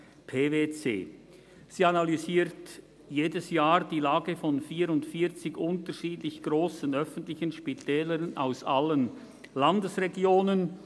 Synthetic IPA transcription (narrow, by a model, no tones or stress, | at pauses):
pʰeːveːt͡sḛː | z̥iːanalyziːɾt | jeːdəsjaːɾdiːlaːɡəfɔnfiːɾʊntfiːt͡sɪɡʔʊntəʃiːdlɪçɡ̥ʁoːsn̩œfən̩tlɪçənʃpitʰɛːləɾna̰ʊsalən | landəsʁeɡjoːnən